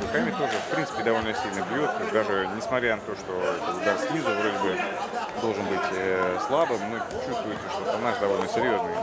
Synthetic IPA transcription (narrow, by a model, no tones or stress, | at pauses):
kamʲɪt̪o̞ʐɨfpɾʲintsɨ̥pʲɪd̪ɐvo̞lʲnəsʲilʲnɨjpʲjut̪d̪aʐɨnʲɪsmɐt̪ɾʲanɐt̪o̞ʂt̪o̞ɛt̪əɡd̪aɾslʲizəvɾo̞dʲɪbɨd̪o̞lˠʐɨnbɨtʲəslˠabɨmnɨt͡ɕust̪vʊjɪtʲɪʂt̪ot̪ɐnasd̪ɐvo̞lʲnəsʲɪɾʲjo̞znɨj